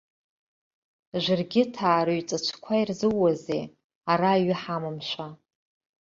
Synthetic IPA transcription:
ʒʷɨrɡʲɪtʰaːɾɨɥt͡sʼat͡ʃʷʰkʷʰairzɨwːazḛ | aɾaːɥɪħamɨmʃʷa

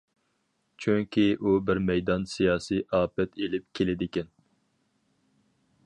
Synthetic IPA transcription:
t͡ʃʰyŋkʲiʔubɪɾmɛjd̪ɑnsijɑːsijʔɑːpɛt̪ʰelɪp̚kʲʰelɪd̪ɪkʲɛn

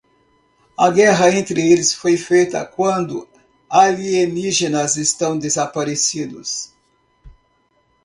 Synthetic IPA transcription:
ɐɡɛɦɐẽnt̪ɾɪelɪsfojfejt̪ɐ̰kwɐ̃nd̪ʊ | avieniʒenɐzest̪ɐ̃w̃d̪ezapaɾesid̪ʊs

